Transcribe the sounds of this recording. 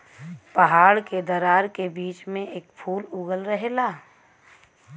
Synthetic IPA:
pəɦaːɽked̪əɾaːɾkebiːt͡ʃmẽʔeːkpʰuːlʊɡəlɾəɦelaː

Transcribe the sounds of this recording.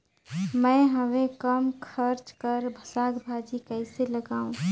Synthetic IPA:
mə̃ɦəʋẽkəmkʰəɾt͡ʃkəɾbʱəsakbʱad͡ʒikəɪseləɡaːũ

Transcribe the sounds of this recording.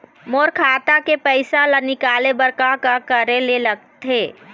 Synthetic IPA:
moːɾkʰaːt̪akepəɪsalanɪkaːlebəɾkakakəɾeleləɡt̪eː

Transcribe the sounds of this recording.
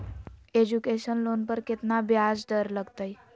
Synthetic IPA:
ed͡ʒukeʃənlonpəɾkɪt̪nabjad͡ʒɖəɾləɡt̪əj

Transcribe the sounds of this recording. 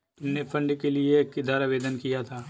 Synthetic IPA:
ʊnnepʰɐ̃ɳɖkeliekɪd̪aːɾaʋeːd̪ənkijat̪ʰaː

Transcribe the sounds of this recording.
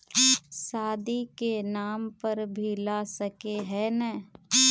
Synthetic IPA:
saːd̪ikenaːmpəɾbʱilasəkeɦɛnɛ̃ː

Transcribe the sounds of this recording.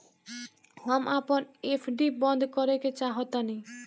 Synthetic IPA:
ɦamʔapɔnepʰɖibɔnd̪ʱkɔɾeket͡ʃaɦɔt̪ani

